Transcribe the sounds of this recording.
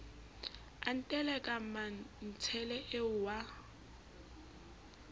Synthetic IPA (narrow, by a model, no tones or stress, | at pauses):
an̩tʼɛlɛkʼam̩man̩t͡sʰɛlɛʔeʊwa